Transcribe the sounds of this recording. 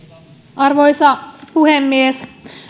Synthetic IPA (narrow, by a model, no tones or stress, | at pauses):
ʔɑrʋojsɑpuhemːies